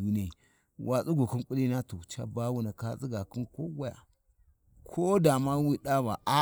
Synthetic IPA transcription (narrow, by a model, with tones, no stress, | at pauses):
u˦n˦e˦˨ | wʔa˨t͡su˦ɡu˨ki˦nku˦li˦na˦tu˨t͡ʃa̰˦ba˦wu˦na˨ka˦t͡si˦ɡa˨ki˦ko˦wa˦ja̰˨ | kʰo˦da˨ma˦wi˦ɗa˦ba˨ʔa˦